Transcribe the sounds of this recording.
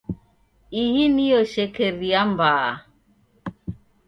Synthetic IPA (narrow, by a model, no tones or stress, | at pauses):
ihiniɔʃekeɾiambaː